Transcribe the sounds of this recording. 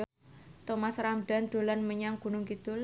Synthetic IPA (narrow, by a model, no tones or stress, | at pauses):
t̪omasɾamɖ̥a̤nd̪̥o̤lanməɲaŋɡ̥ṳnʊŋkid̪̥ʊl